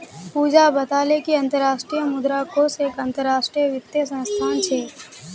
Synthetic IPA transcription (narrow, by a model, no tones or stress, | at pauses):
puːd͡ʒabɐt̪aːlekiɐ̃nt̪əɾːaːʃʈɾijəmʊd̪ɾakoseːkɐ̃nt̪əɾːaːʃʈɾijəʋɪt̪jəsə̃nst̪ʰaːnt͡ʃʰeː